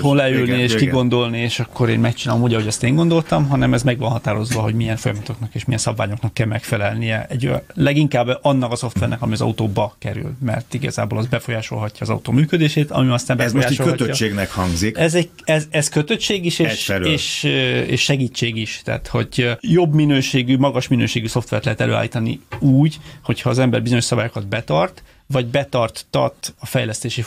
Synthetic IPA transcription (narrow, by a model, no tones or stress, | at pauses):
onlɛylnieːʃkiɡo̞nd̪o̞lnieːʃɒkːo̞ɾḛːnmɛkt͡ʃinaːlomuːɟɒɦo̞ɟɛst̪eːŋɡo̞nd̪o̞lt̪ɒmɦɒnɛmɛzmɛɡʋɒnɦɒt̪aːɾo̞zʋɒɦo̞ɟmijɛnfo̞jɒmɒt̪o̞knɒkeːʃmijɛnsɒbvaːɲo̞knɒkːɛlmɛkfɛlɛlnijɛɛɟlɛɡiŋkaːbɒnːɒkɒso̞ft̪ʋɛrnɛ̰kɒmiɒzɒ̰ut̪oːbɒkɛɾy̰lmɛ̰rt̪iɡɒ̰za̰ːbo̰ːlɒz̚bɛfo̞jaːʃo̞̰lɦɒcːɒːzɒ̰ut̪o̰ːmyːkød̪eːʃeːt̪ɒ̰miɒst̪aːmbɛzojaːʃoløɒt̪øːɒeːɡnɛkhɒŋɡzikɛzɛɟ | ɛzɛzkøt̪øt͡ʃːeːɡiʃeːɛʃsɛɾeːʃeːʃːɛɡiːt͡ʃːeːɡiʃt̪ɛ̰ːt̪ho̞̰ɟjo̞bminøːʃeːɡymɒɡɒʃminøːʃeːɡyso̞ft̪ʋɛ̰rt̪lɛɦɛt̪ɛlø̰ːa̰ːlːiːt̪ɒnḭuːɟho̞chɒːzɛmbɛ̰rbizoɲo̞ʃsɒbaːjokɒd̪bɛt̪ɒrt̪ | ʋɒɟbɛt̪ɒrt̪ːɒ̰t̪ɒfɛjlɛst̪eːʃi